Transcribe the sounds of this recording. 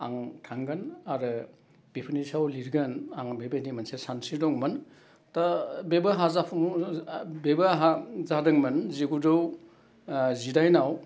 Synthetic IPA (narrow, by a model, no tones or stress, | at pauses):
aŋtʰaŋɡɐnaɾɯ | b̥ipʰɯnisawliɾɡɐnaŋbebenimɐnsesansidɔŋmɐn | tabebaɦazapʰum | bebaɦazadɯŋmɐnziɡudɯw | zidajnaw